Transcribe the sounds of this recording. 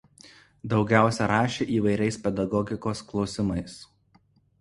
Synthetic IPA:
d̪ɒʊɡʲæˑʊsʲɛɾɑːʃʲeːʔiːʋɐɪɾʲɛɪspʲɛd̪ɐɡɔɡʲɪkoːsklˠɒʊsʲɪmɐɪs

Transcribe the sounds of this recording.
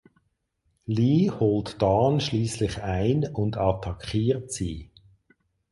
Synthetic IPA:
liːhɔltd̥ɑːnʃliːslɪχaɪnʊndɑtʰɑkχiːʁtsiː

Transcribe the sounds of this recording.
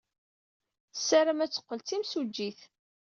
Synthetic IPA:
sæɾəmæt͡sːə̥qːəlt͡s̪imsud͡ʒːiθ

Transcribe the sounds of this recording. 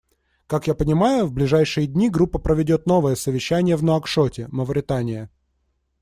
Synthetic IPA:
kakjapənʲɪmajʊvblʲɪʐajʂɨjəd̪ʲnʲiɡɾupːəpɾəvʲɪdʲo̞t̪no̞vəjəsəvʲɪɕːænʲɪjəvnoɐkʂotʲɪməvɾʲɪt̪anʲɪjə

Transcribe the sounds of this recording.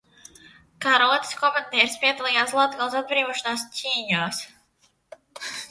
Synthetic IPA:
kaɾɔːt̪ʲskɔmand̪ʲɛɛɾspʲiɛd̪ɔlˠɛjaːslˠat̪ɡalˠs̬ad̪̚bɾiːvɔʃɔnaːscʲʰiːɲaːs

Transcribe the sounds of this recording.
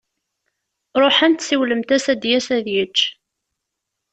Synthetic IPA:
ɾˤoħænt̪siwləmt̪æsæd̪jæsæðjət͡ʃː

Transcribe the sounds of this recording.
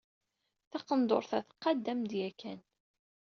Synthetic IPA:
θɑqənd̪o̰ɾˤθæθə̥qːɑd̪ːæmd̪jækæn

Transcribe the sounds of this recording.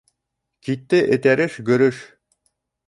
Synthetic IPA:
kit̪ːɘʔɘ̆t̪æɾɘʃɡɵ̆ɾɵʃ

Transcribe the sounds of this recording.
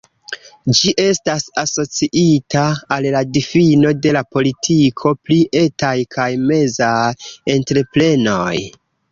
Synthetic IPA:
d͡ʒiʔe̞stasaso̞t͡siʔitaːlladifino̞de̞lapo̞litʰikʰo̞pliʔe̞tajkʰajme̞zajentɾe̞pɾe̞no̞j

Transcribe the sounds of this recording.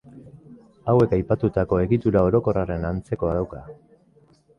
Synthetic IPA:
awe̞kajpat̪ut̪ako̞e̞ɣit̪uɾao̞ɾo̞ko̞rare̞nant͡se̞ko̞aðawka

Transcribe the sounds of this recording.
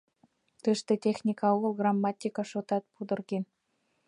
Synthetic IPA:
t̪əʃt̪ĕtʲexnʲikɑuɣəlˠɣrɑmːɑt̪ʲikɑʃot̪ɑt̪̚pud̪ə̆rɣen

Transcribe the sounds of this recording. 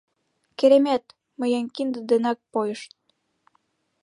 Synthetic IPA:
keɾemæt̪ | mə̆jənkind̪ə̆d̪enɑk̚pojə̆ʃt̪̚

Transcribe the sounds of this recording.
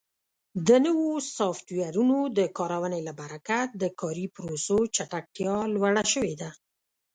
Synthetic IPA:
d̪ənəwosɑft̪waɾunod̪əkɑɾawənelabaɾakad̪əkɑɾipɾosot͡ʃaʈak̚ʈjɑlwaɽaʃəwed̪a

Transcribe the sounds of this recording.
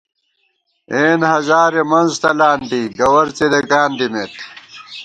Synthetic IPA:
eːnhɐzaːɾemɐnzt̪ɐlaːnd̪iɡɐwɐɾt͡sed̪eɡaːnd̪imeːt̪̚

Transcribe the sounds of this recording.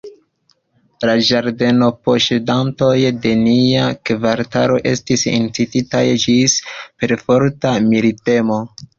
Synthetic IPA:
lad͡ʒaɾde̞no̞poʃedanto̞jde̞niakvaɾtaɾo̞ʔe̞̰stisḭnt͡sititajd͡ʒispe̞ɾfo̞ɾtamiɾite̞mo̞

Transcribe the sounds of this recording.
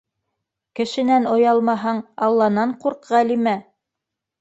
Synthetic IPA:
kɘ̆ʃɘ̆nænŏjɑlˠmɑɦɑɴɑlˠːɑnɑɴquɾqʁælimæ

